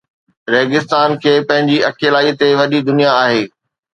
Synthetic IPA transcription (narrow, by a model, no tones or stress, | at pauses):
ɾeːɡɪst̪aːnkʰeːpɐ̃ɦɪ̃ɲd͡ʑiɐkeːlaːit̪eʋɐɗid̪ʊnijaaːɦeː